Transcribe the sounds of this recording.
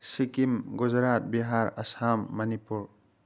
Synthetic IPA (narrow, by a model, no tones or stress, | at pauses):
sikimɡud͡ʒɾat̪̚biɦaɾɐsamːɐnipuɾ